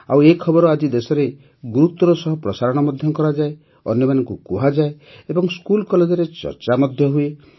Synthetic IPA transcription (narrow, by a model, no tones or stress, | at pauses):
a̰wekʰɔbɔɾɔad͡ʒid̪esɔɾe | ɡuɾut̪ɔɾɔsɔɦɔpɾɔsaɾɔɽ̃ɔmɔd̪ʱjɔkɔɾad͡ʒae | ɔ̰njɔmanɔŋkukuɦad͡ʒae | ebɔŋskulkɔled͡ʒɔɾet͡ʃɔ̰ɾt͡ʃamɔd̪ʱjɔɦue